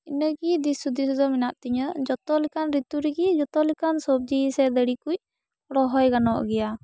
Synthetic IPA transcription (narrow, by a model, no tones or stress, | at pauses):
inəɡid̪isud̪isɔd̪ɔminaʔ̚t̪iɲəd͡ʒɔt̪ɔlɛkanɾit̪uɾiɡid͡ʒɔt̪ɔlikansɔb̚d͡ʒisɛd̪əɽikuc̚ | ɔɽɔɦɔjɡanɔʔɡɛja